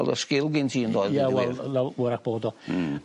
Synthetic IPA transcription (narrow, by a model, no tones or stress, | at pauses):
lˠə̰skɪlˠɡɪntʰiːəndoːjðjawɛlˠlawəɾak̚b̥oːdɔ